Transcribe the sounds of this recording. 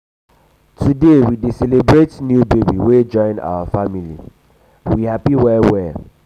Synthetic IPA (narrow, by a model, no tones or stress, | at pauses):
tʰudewidiselebɹetnjubebiwed͡ʒɔ̃ɪ̃na̰wafamilḭ | wihapiwɛwɛ